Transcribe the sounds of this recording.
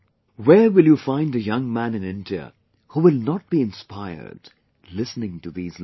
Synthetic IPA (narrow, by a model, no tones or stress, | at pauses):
wɛɹwɪlˠjufãɪ̃ndɨjʌ̃ŋmæ̃nɨ̃nɪ̃ndiə̰ | huwɪlˠnɔt̚b̥iɨ̃nspaɪə̰˞d̥ | lɪsnɪ̃ŋtɨðiːz